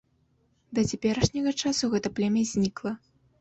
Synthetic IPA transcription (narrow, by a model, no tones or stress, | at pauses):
d̪ɐt͡sʲapʲɛɾɐʂnʲɐɣɐt͡ʂasuɣɛt̪ɐplʲɛmʲɛzʲnʲiklˠɐ